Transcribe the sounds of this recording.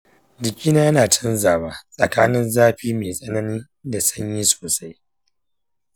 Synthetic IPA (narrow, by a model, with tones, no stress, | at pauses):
dɪ˨kʲʼiː˦naː˦jɐ˦naː˨tʰɐ˦nzaː˨waː˦sʼɐ˨kaː˦nɪ˦nzaː˦ɸiː˦meː˨sʼɐ˦nɐ˦niː˦ | da˨sɐ˦ɲjiː˦so̥ː˨sa˦j